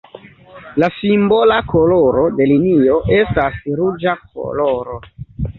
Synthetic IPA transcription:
lasimbo̞lakʰo̞lo̞ɾo̞de̞linio̞ʔe̞stasɾud͡ʒak̚o̰loɾo

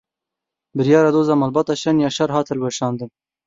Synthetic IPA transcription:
bɨɾjɑːɾad̪oːzamɐlbɑt̪ɑʃɐnjɑːʃɐɾɦɑːt̪ʰɨlweʃɑːnd̪ɨn

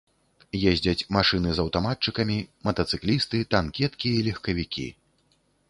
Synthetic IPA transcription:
jɛzʲd͡zʲɐt͡sʲmaʂɨnɨzɐwt̪amat̚t͡ʂɨkɐmʲimɐt̪ɐt̪sɨklʲist̪ɨt̪ankʲɛt̪kʲiɐilʲɐxkɐvʲikʲḭ

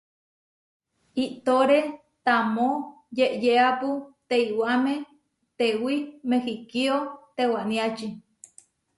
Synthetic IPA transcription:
iʔt̪oɾe | t̪amo | jeʔjeaput̪eiwamẽ | t̪ewimehikiot̪ewanĩat͡ʃi

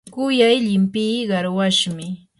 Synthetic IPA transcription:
kʊjajʎɪmpijɢɑɾwaʃmɪ

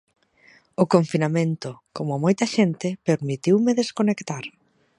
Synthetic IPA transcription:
ʊkoɱfinamẽnt̪ʊkomʊmojt̪ɐʃent̪ɪpeɾmit̪iwmeðeskonekt̪aɾ

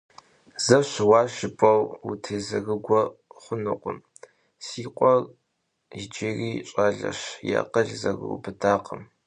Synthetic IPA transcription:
z̥ɐɕwɑːʃɪpʼɐwwutʰeːzɐɣɨɡʷɔχʷʊnɨqʷʊ̰m | siːqʷʼɔl | ɪd͡ʒɪriːɕʼaɮɐ̰ɕja̰qəɮzɐɣɨ̰ʊ̰bɨdaːqʼəm

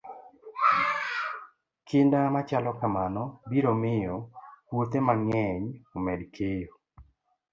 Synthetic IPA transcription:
kʰɪndamat͡ʃalɔkamanɔbiɾomɪjɔpwot̪emaŋɛɲomɛdkʰejo

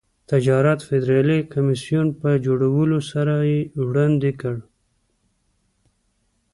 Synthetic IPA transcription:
t̪ad͡ʒɑɾat̪fɪd̪ɾɑlikamisijunpəd͡ʒoɽawəlosaɾajewɽand̪ekəɽ

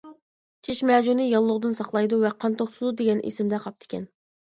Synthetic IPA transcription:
t͡ʃʰeʃmɛːd͡ʒunɨjɑlˠːʊʁd̪ɨnsɑχlˠɑjd̪uvɛqʰɑnt̪oχsɨd̪ud̪eɡʲɛnʔḛsɪmd̪ɛqʰɑp̚t̪ʰɪ̥kʲɛ̰n

